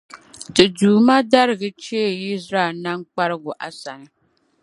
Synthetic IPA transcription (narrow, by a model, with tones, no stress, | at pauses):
tɨ˨duː˨ma˦da˦ɾɪ˨ɡɨ˦t͡ʃɛ˦e˦˨i˦sɾa˦˨lna˦ŋ˦k͡pa˦ɾɨ˦ɡʊ˨ʔa˨sa˨nɨ˨˦